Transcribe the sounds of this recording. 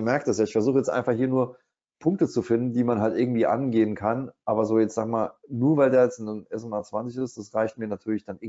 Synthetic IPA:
əmɛɐkəd̥asjaːɪçfɛɐzuːχəjɛt͡stʔa̰ɪnfaχhiːɐnuːɐ | pʰʊŋk̚tət͡sufɪndn̩d̥iːmanɦaltʔɪɐɡŋ̩tv̥iːʔa̰nɡeːənkʰanʔaːbɐzoːjɛt͡stz̥aːɡmaːlnuːɐvaɪldeːɐjɛt͡snənɛsonaːt͡sv̥ant͡sɪçɪstd̥asʁaɪçt̚miːɐnatʰyːɐlɪçd̥anʔɪ

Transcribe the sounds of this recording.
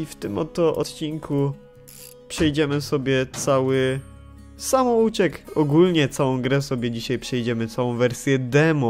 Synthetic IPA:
ift̪ɘmɔt̪ːɔʔɔ̰t̪t͡ɕiŋku | pʂɛjd͡ʑɛmɘsɔbʲjɛt̪sawɘ | samɔut͡ɕɛkɔɡulɲɛt̪sawɔ̃w̃ɡɾɛsɔbʲjɛd͡ʑiɕajpʂɛjd͡ʑɛmɘt̪sawɔ̃w̃vɛɾsʲjɛd̪ɛmu

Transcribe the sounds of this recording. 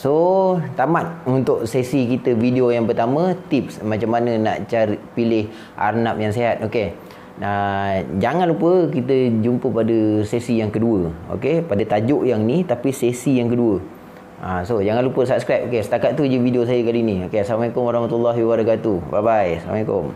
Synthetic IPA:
sot̪amat̪̚unt̪ʊʔsesikit̪əvideojaŋpərt̪amə̃t̪ip̚smat͡ʃamːanənaʔt͡ʃaɾipilɪh | ʔa̰rnap̚jaŋseɦat̪̚ʔoke | ad͡ʒaŋanlupəkit̪əd͡ʒumpəpadəsesijaŋkəduəo̰kepadət̪ad͡ʒʊʔjaŋnit̪apisesijaŋkəduə | ʔasod͡ʒaŋanlupəsap̚skɾajp̚okesə̥t̪akat̪̚t̪ud͡ʒəvidios̬ajəkaliniokeaslamaikʊmwaɾahmat̪ulːaɦiwaɾakat̪ubabajsla̰maikʊ̰m

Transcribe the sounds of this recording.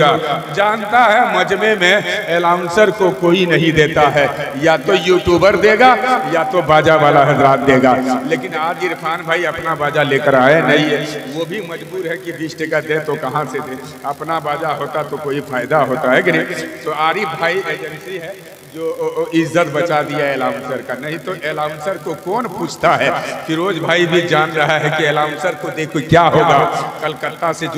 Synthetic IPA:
ɡad͡ʒaːnt̪aɦɛmɐd͡ʒmẽmẽeːlaːʊ̃nsəɾkokoːinɐɦĩd̪eːt̪aɦɛ | jat̪ojuːʈjuːbəɾd̪eːɡajat̪obaːd͡ʒaʋaːlaɦɐd͡ʒɾaːt̪̚d̪eːɡaleːkɪnaːɡɪɾpʰaːnbʱaːiɐpnabaːd͡ʒaleːkəɾaːenɐɦĩɦɛʋobʱimɐd͡ʒbuːɾɦɛkibiʃʈɪkəd̪ẽt̪okɐɦãsed̪e | ɐpnabaːd͡ʒaɦoːt̪at̪okoːifʰaːɪd̪aɦoːt̪aɦɛkinəĩt̪oaːɾibʱaːieːd͡ʒənsiɦɛ | d͡ʒoːɪzːət̪bət͡ʃad̪ijaeːlaːmsəɾkanɐɦĩt̪oʔeːlaːmsəɾkokɔːnpuːt͡ʃʰt̪aɦɛkiɾoːd͡ʒbʱaːibʱid͡ʒaːnɾəɦaɦɛkieːlaːmsəɾkod̪eːkʰokjaɦoɡakəlkət̪ːased͡ʒ

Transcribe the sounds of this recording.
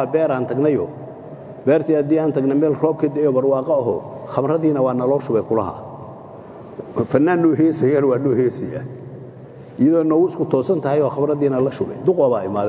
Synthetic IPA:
abɛːɾaːnt̪ʰɐɡnɐjɔ | bɛːrt̪ʰiːhɐd̪iːaːnt̪ʰɐɡnɐmɛːlrɔːb̚kʰɐd̪ɪɛjɔːbɐrwɑːqɑɔɦɔ̰χɐmrɐðiːnɐwɑːnɐlɔːʃʊβɛjkʰʊlɐ̰ɦɐ̰ | fɐnːaːnːɔɦɛːsɐjaːnwaːnɔːhɛːsɐja̰ː | ʔɪjɐðɔːnɔːwʊɪskʰʊt̪ʰɔːsɐnt̪ʰɐhɛjɔːχɑmrɐðiːnɐlɐʃʊβɛ̰jd̪ʊqwɐβaːɪmaːðɛ

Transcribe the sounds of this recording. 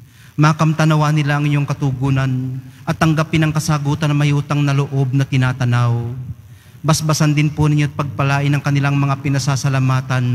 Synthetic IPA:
maːkɐmt̪ɐnɐwanɪlaʔɐŋɪɲːoŋkɐt̪uɡuːnɐnʔɐt̪ːɐŋɡapɪnɐŋkɐsaːɡuːt̪ɐnːɐmɐjuːt̪ɐŋnɐloʔo̞b̚nɐt̪ɪnaːt̪ɐnaw | bɐsbɐsand̪ɪnpʊnɪɲːoʔɐt̪̚pɐɡ̚pɐlaːʔɪnːɐŋkɐnɪlaŋmɐŋapɪnɐsaːsɐlamaːt̪ɐn

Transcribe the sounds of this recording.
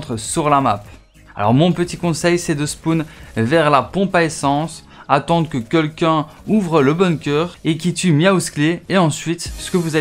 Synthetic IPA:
t̪χəsyʁlamap | a̰lɔ̰ʁmɔ̃pət̪ikɔ̃sɛjsɛd̪əspunvɛʁlapɔ̃paesɑ̃s | at̪ɑ̃d̪kəkʲɛlkʲɛ̃ | uvʁələbɔnkʲœːʁek̬ʲit̪ymjauskleeɑ̃sɥit̪sə̥kəvuza

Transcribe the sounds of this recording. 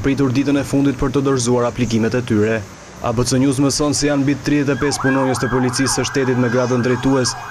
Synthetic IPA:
pɾit̪uɾd̪it̪ənɛfund̪it̪̚pəɾt̪əd̪əɾzuaɾaplik̬imɛt̪ɛt̪yɾɛ | a̰bət͡səɲus̬mɛsɔnsɛjanbit̪t̪ːɾiðɛt̪̬ɛpɛspunɔɲəst̪əpɔlit͡sisəʃt̪ɛt̪it̪mɛɡɾad̪ənd̪ɾɛjt̪uɛs

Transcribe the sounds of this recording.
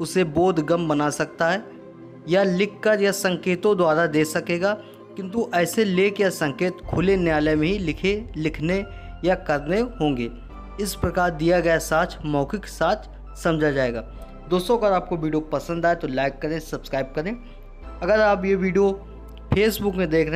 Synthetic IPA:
ʊsebɔːt̪ɡɐmbɐnasɐk̚t̪aɦɛ | jalɪkːəɾjasɐ̃ŋkeːt̪õd̪waːɾad̪eːsɐkeːɡaː | kɪ̃nt̪̬uʔɛːseleːkjasɐ̃ŋkeːt̪kʰʊlenjaːlemẽɦilɪkʰelɪkʰne | jakɐɾneɦõːŋɡeː | ɪspɾɐkaːɾd̪ijaɡɐjasaːt͡ʃʰmɔːkeke̥saːt͡ʃ̪ʰ | sɐ̃md͡ʒʱad͡ʒaːeːɡaː | d̪oːst̪õɐɡəɾaːp̚koʋiːɖijopɐsə̃nd̪aːet̪olaːɪkːɐɾẽsɐbskɾaːɪb̚kɐɾẽː | ɐɡəɾaːpjeʋiːɖijo | pʰeːsbʊkmẽd̪eːkʰɾ

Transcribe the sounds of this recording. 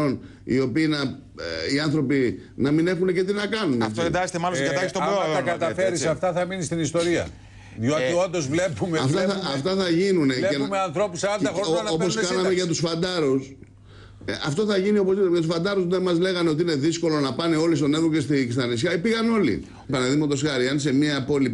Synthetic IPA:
on | ḭo̞piːnɐ | iɐnθɾo̞pinɐmine̞xunece̞t̪̬inɐkɐnunɐft̪oed̪ɐst̪emɐlosɐt̪ɐst̪oɾoɐkɐt̪ɐfeɾissɐft̪ɐθɐminist̪inist̪o̞ɾiɐ̰ | ðjoɐt̪iond̪ozvle̞pumeɐft̪ɐɐɐft̪ɐθɐʝinuneemeɐnθɾo̞pusɐnd̪ɐoɾo̞poskɐnɐmeʝɐt̪usfɐnd̪ɐɾus | ɐft̪o̞θɐʝinio̞posjɐt̪usfɐnd̪ɐɾusnemɐzle̞ɣɐneo̞t̪iine̞ðisko̞lo̞nɐpɐne̞o̞lis̬t̪o̞neɣoke̞st̪ikist̪ɐnisçɐipiɣɐno̞lḭ | pɐnɐðimot̪o̞sxɐɾiɐnse̞miɐpo̞li

